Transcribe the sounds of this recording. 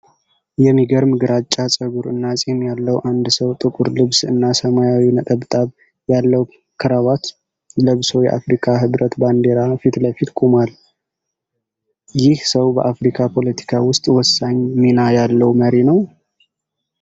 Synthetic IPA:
jɛmiɡəɾmɨɡɾat͡ʃʼːasʼəɡuɾɨnːasʼehnjalːəwʔand̪səwt̪ʼɨkʼuɾlɨβsɨnːasəmajawinət̪ʼəβt̪ʼaβ | jalːəw | kʰɨɾaβat̪ | ləβso̞jɛ̰ʔa̰fɾikʰaɦɨβɾət̪band̪e̞ɾafit̪ləfit̪kʼumal | jɪhsəwbəʔafɾikʰapʰo̞lət̪ʰi̥kʰawʊst̪ʼwɔsːaɲminajalːəwməɾenəw

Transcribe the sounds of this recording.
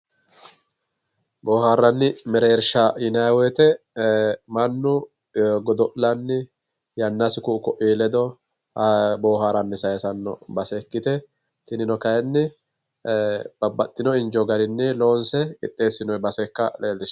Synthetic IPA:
boːɦaːɾːɐnːɪmɛɾeːɾʃaɪnɐwɛt̪ɛ | mɐnːʊ | ɡɔd̪ɔʔlɐnːɪ | jɐnːɐsɪkʊkɔʔiːlɛd̪ɔ | bo̞ːɦaːɾɐnːɪsɐjɛsɐnːɔ̰bɐsɛkːɪt̪ɛ | t̪ɪnɪnɔkɐjɛnːɪ | b̥ɐbːɐt̪ʼːɪnɔɪnd͡ʒɔɡɐɾɪnːɪlo̞ːnsɛkɪ̰t̪ʼːe̞ːsːɪnɔbɐsɛkːɐleːlːɪʃ

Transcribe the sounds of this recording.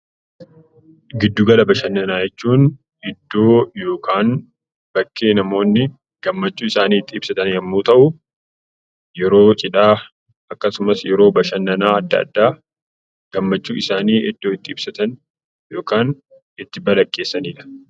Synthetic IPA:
ɡɪd̪ːʊɡɐlɐbɐʃɐnːɐnaːjɛt͡ʃːuːn | ɪd̪ːo̞ːjo̞ːkʰaːn | b̥ɐkːe̞ːnɐmo̞ːnːɪ | ɡ̥ɐmːɐt͡ʃːuːɪsaːniːt̪ːɪːb̥sɐt̪ɐnjɐmːuːt̪ɐʔʊ | jɛɾo̞ːt͡ʃʼɪᶑaː | ɐkːɐsʊmɐsjɛɾo̞ːbɐʃɐnːɐnaːɐd̪ːɐ̰ɐ̰d̪ːaː | ɡ̥ɐmːɐt͡ʃːuːɪsaːniːʔɪd̪ːoːɪt̪ːɪːb̥sɐt̪ɐn | jo̞ːkaːn | ɪt̪ːɪbɐlɐkʼːe̞ːsːɐniːᶑɐ̥

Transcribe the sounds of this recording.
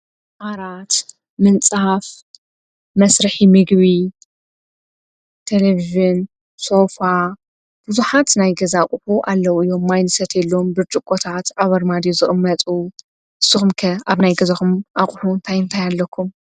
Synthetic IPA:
ʔaɾat̪ | mɨnt͡sʼaf | mɐsɾɨħimɨɡβi | t̪ʰeleviʒun | so̞fa | b̥uzuħat̪najɡɐzakʼħuʔalːɐwɨjːo̞mːajnɨsɐt̪jɛlːo̞mbɨɾt͡ʃʼɨkʼːot̪ʰat̪aβɐɾmad̪ijozɨχʼɨmːɐt̪ʼu | ʔɨsːɨxumkʰɐaβnajɡɐzɐxumʔaχʼħunt̪ʰajɨnt̪ʰajalːɐkʰːum

